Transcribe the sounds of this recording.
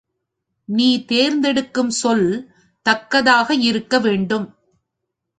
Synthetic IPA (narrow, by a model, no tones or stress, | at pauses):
niːt̪eːɾnd̪ɛɽɯkːɯmsɔl | t̪ɐkːɐðaːɣɐɪɾɯkːɐʋeːɳɖɯm